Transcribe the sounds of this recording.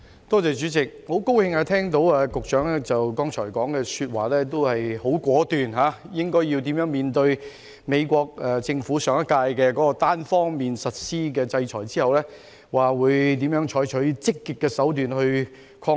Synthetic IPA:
t̪ɔː˥t͡sɛː˨˧t͡ʃyː˨˥t͡sɪ˨k̚ho˨˥wko˥whɪ˧ŋaː˧t̪ʰɛː˥ŋt̪o˨˧˥waː˧kʊ˨k̚t͡ʃœː˨˥ŋɛː˥t͡sɐ˨wkɔː˥ŋt͡ʃʰɔː˨˩jkɔː˨˥ŋkɛː˧syː˧t̚wa̰ː˨lɛː˥t̪o˥whɐ˨jho˨˥wkʷwɔː˨˥t̪yː˨nɦaː˨˥jɪ˥ŋkɔː˥ji˧wt̪iː˨˥mjœː˨˥ŋmiː˨nt̪ɵ˧ɥ | me˨˧jkʷɔː˧k̚ɛː˨˩t͡sɪ˧ŋfuː˨˥sœː˨˥ŋɐ˥kːaː˧jkɛː˧kɔː˨˥kɔ˧t̪aː˥nfɔː˥ŋmiː˨nsɐ˨t̚siː˥k̬ɛ˧t͡sɐ˧jt͡ʃʰɔː˨˩jt͡siː˥hɐ˨wlɛː˥ | waː˨wuː˨˧˥jt̪iː˨˥mjœː˨˥ŋt͡ʃʰɔː˨˥jt͡ʃʰɵ˨˥ɥt͡sɪ˥kːɪ˨kːɛː˧sɐ˨˥wt̪yː˨nhɵ˧ɥ | kʰɔː˧

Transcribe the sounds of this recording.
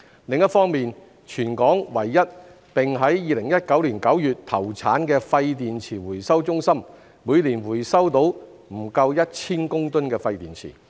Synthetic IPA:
lɪ˨˧ŋjɐ˥t̚fɔː˥ŋmiː˨n | t͡ʃʰyː˨˩nkɔː˨˥ŋwɐ˨˩jːɐ˥t̚ | pɪ˨ŋɦɐ˨˥jːiː˧lɪ˨˩ŋjɐ˥t̚kɐ˨˥wliː˨˩nkɐ˨˥wjyː˨t̚t̪ʰɐ˨˩wt͡sʰaː˨˥nkɛː˧fɐ˧jt̪iː˨nt͡sʰiː˨˩wuː˨˩jsɐ˥wt͡ʃʊ˥ŋsɐ˥mː | uː˨˧jliː˨˩nwuː˨˩jsɐ˥wt̪o˨˥w | m̩˨˩kɐ˧wjɐ˥t̚t͡sʰiː˥nkʊ˥ŋt̪ɵ˥nkɛː˧fɐ˧jt̪iː˨˩nt͡sʰḭː˨˩

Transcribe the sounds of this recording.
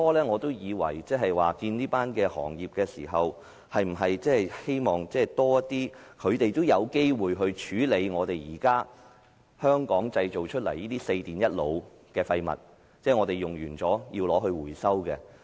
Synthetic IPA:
t̪ɔː˥lɛː˥ŋɔː˨˧t̪o˥wjiː˨˧wɐ̰˨˩jt͡sɛː˥ɦɐ˨jwaː˨kiː˧nniː˥paː˥nkɛː˧hɔ̰ː˨˩ŋjiː˨p̚kɛː˧siː˨˩ɦɐ˨w | hɐ˨jm̩˨˩ɦɐ˨jt͡sɛː˥hɐ˨jhe˥jmɔː˨ŋt͡sɛː˥t̪ɔː˥jɐ˥tt̪ːiː˥kʰɵ˨˧t̪e˨jt̪o˥wjɐ˨˧wke˥jwuː˨jɦɵ˧ɥt͡ʃʰyː˨˥le˨˧jŋɔː˨˧t̪e˨jjiː˨˩kaː˥ | hœː˥ŋkɔː˨˥ŋt͡sɐ˧jt͡ʃo˨˩wt͡ʃʰɵ˥t̚lɐ˨˩jiː˥t̪iː˥se˧jt̪iː˨njɐ˥t̚lo˨˧w | kɛː˧fɐ˧jmɐ̰˨t̚ | t͡sɛː˥˩ŋɔː˨˧t̪e˨jʊ˨˩ŋjyː˨˩nt͡sɔː˨˥jiː˧wlɔː˨˧ɦɵ˧ɥwuː˨˩jsɐ˥wkɛ̰ː˧

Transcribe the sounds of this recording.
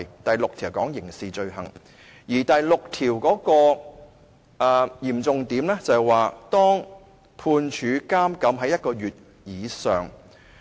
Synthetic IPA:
jt̪ɐ˨jlʊ˨k̚t̪ʰiː˨˩wkɔː˨˥ŋjɪ˨˩ŋsiː˨t͡ʃɵ˧ɥɦɐ̰˨˩ŋ | jiː˨˩t̪ɐ˨jlʊ˨k̚t̪ʰiː˨˩wkɔː˨˥kɔː˧ | ʔaː˨˩jiː˨˩mt͡sʊ˨ŋt̪iː˨˥mlɛ˥t͡sɐ˨waː˨˩t̪ɔː˥ŋ | pʰuː˧nt͡ʃʰyː˨˥kaː˥mkɐ˨˥mɦɐ˨˥jɐ˥t̚kɔː˧ɥyː˨˩t̚ | jiː˨˧sœː˨˩ŋ

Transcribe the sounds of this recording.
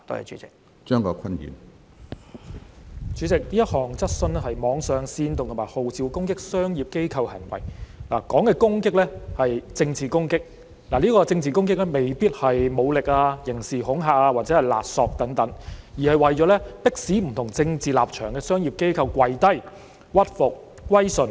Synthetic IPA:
t̪ːjɐ̰˨˩t͡ʃy̰˨˥t͡sɪ˨k̚ | t͡ʃœː˥ŋkɔː˧kʰɐ˥njy̰ː˨˩m | t͡ʃyː˨˥t͡sɪ˨k̚liː˥jɐ˥t̚hɔː˨ŋt͡sɐ˥t̚sɵ˧nɛ˥hɐ˨jmɔː˨˧˥ŋsœː˨ŋsiː˧nt̪ʊ˨ŋʰ˨˩maː˨jho˨wt͡siː˨˧wkʊ˥ŋkɪ˥k̚sœː˥ŋjiː˨˩p̚ke˥jkʰɐ˧whɐ̰˨˩nwɐ̰˨˩jla̰ː˨˩kɔː˨˥ŋkɛː˧kʊ˥ŋkɪ˥k̚lɛ˥hɐ˨jt͡sɪ˧ŋt͡siː˨˩kʊ˥ŋkɪ˥k̚ | laː˨˩liː˥kɔː˧t͡sɪ˧ŋt͡siː˨˩kʊ˥ŋk̬ɪ˥klɛ˥me˨jpiː˥t̚hɐ˨jmo˨˧wlɪ˨k̚aː˧jɪ˨˩ŋsiː˨˩hʊ˨˥ŋɦaː˨˩k̚aː˧waː˨t̚t͡sɛ˨˥hɐ˨jla̰ː˨t̚sɔː˨k̚t̪ɐ˨˥ŋt̪ɐ˨˥ŋjiː˨˩hɐ˨jwɐ˨jt͡ʃɔː˨˥lɛː˥pɪ˥k̚siː˨˥m̩˨˩t̪ʰʊ˨˩ŋt͡sɪ˧ŋt͡siː˨la̰ː˨p̚t͡ʃʰœ̰ː˨˩ŋkɛː˧sœː˥ŋji˨p̚ke˥jkʰɐ˧wkwɐ˨˧jt̪ɐ˥j | wɐ˥t̚fʊ˨k̚ː | wɐ˥jsɵ˧n

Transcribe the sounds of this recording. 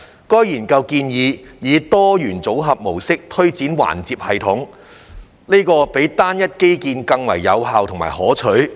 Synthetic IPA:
kɔː˥jjiː˨˩nkɐ˧wkiː˧njiː˨˧jiː˨˧t̪ɔː˥jyː˨˩nt͡so˨˥wɦɐ˨p̚mo˨˩wsɪ˥k̚t̪ʰɵ˥ɥt͡siː˨˥nwa̰ː˨˩nt͡siː˧p̚hɐ˨jt̪ʰʊ˨˥ŋ | ne˥kɔː˧pe˨˥jt̪aː˥njɐ˥t̚ke˥jkiː˧nkɐ˧ŋwɐ̰˨˩jːɐ˨˧wɦaː˨wt̪ʰʊ˨˩ŋma̰ː˨˩hɔː˨˥t͡ʃʰɵ˨˥ɥ

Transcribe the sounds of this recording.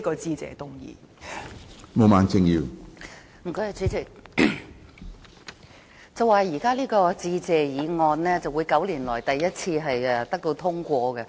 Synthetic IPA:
kɔː˧t͡siː˧t͡sɛ̰ː˨t̪ʊ˥ŋjḭː˨˧ | mo˨˧maː˨˥nt͡sɪ˧ŋjiː˨˧w | m̩˨˩ko˨˧ɦɐ˨˧t͡syː˨˥t͡sʰɪ˨˩k̚ | t͡sɐ˨wːaː˨˧jiː˨˩kaː˥liː˥kɔː˧t͡siː˧t͡sɛː˨jiː˨˧ŋɔː˧nlɛː˥t͡sɐ˨wu˨˧jkɐ˨˥wliː˨˩nlɔː˨˩jt̪ɐ˨jːɐ˥t̚t͡sʰiː˧ɦɐ˨jɛ˨˧t̪ɐ˥k̚t̪o˧wt̪ʰʊ˥ŋkʷɔː˧kɛ˧

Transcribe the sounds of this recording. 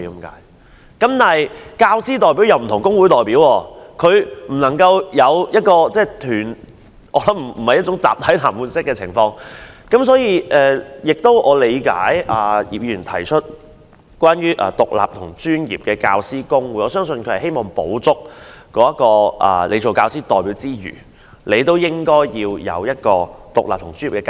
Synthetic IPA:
kɐ˨˦mka̰ː˨˧˥j | kɐ˨˦˥mt̪aː˨ɦjkaː˧wsiː˥t̪ɔː˨˩jpi˨˥wjɐ˨˧wm̩˨˩t̪ʰʊ˨˩ŋkʊ˥ŋwuː˨˥jt̪ɔː˨jpiː˨˥wɔː˧kʰɵ˨˧ɥm̩˨˩nɐ˨˩ŋkɐ˧wjɐ˨˧wjɐ˥t̚kɔː˧t͡sɛː˥˩t̪ʰyː˨˩n | ʔɔː˨˧˥lɐ˨˦˥m̩˨˩hɐ˨jɐ˥t̚t͡ʃʊ˨˥ŋt͡saː˨p̚t̪ʰɐ˨˥jt̪ʰaː˨˩mpuː˨˧nsɪ˥k̚ːɛː˧t͡sʰɪ˨˩ŋfɔː˧ŋkɐ˨˥msɔː˨˥jiː˧ʔɛː˧jɪ˨k̚t̪o˥wʔɔː˨˧le˨˧jka̰ː˨˥jʔaː˨˩jiː˨p̚ji˧˨yː˨˩nt̪ʰɐ˨˩jt͡ʃʰɵ˥t̚ | kʷwaː˥nɥyː˥ʔɐ̰ː˨˩t̪ʊ˨k̚la̰ː˨p̚t̪ʰʊ˨˩ŋt͡ʃyː˥njḭː˨p̚kɛː˧kaː˧wsiː˥kʊ˥ŋwuː˨˧jʔɔː˨˧sœː˥ŋsɵ˧nkʰhɐ˨˩he˥jmɔː˨ŋpo̰˨˥wt͡sʊ˥k̚kɔː˨˥jɐ˥t̚kɔː˧ʔɐ̰˨˩le˨˧jt͡so˨wkaː˧wsiː˥t̪ɔː˨jpiː˨˥wt͡siː˥jy̰ː˨˩ | le˨˧jt̪o˥wjɪ˥ŋkɔː˥jjiː˧wjɐ̰˨˧wjɐ˥t̚kɔː˧t̪ʊ˨k̚laː˨p̚t̪ʰŋt͡sy˥ni˨˩kɛː˧

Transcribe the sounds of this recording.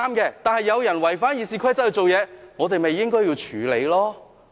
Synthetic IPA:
aː˥mkɛː˧t̪aː˨nhɐ˨jːɐ˨˧wjɐ˨˩nwɐ˨˩jfaː˥njiː˨˧siː˧kʰɐ˥jt͡shɐ˨jt͡so˨wjɛː˨˧ŋɔː˨˧t̪e˨jme˨jːɪ˥ŋkɔː˥ji˧wt͡ʃʰyː˨˥le˨˧jlɔː˥

